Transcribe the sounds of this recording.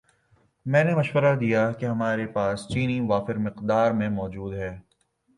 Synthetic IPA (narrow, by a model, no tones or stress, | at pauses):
mɛ̃ːnemɐʃwəɾad̪ijakeɦɐmaːɾepaːst͡ʃiːniʋaːfɪɾmɪqd̪aːɾmẽmɔːd͡ʒuːd̪ɦɛː